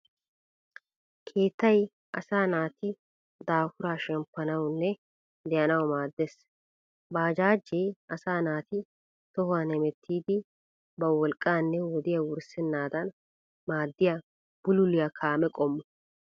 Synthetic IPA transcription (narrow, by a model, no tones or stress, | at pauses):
kʰe̞ːt̪ːɐj | ʔɐsaːnaːt̪ɪ | d̪aːfʊɾaːʃɛmpːɐnɐwnːɛ | d̪ɛjɐnɐwmaːd̪ːes | baːd͡ʒaːd͡ʒːɛjʔɐsaːnaːt̪ɪ | t̪ɔhʊwaːnɛmɛt̪ʰːiːd̪ɪ | bɐwɔlkʼːaːnːɛwɔd̪ɪjɐwʊɾsɛnːaːd̪ɐn | maːd̪ːɪja | b̥ʊlʊlɪjɐkʰaːmɛkʼɔmːɔ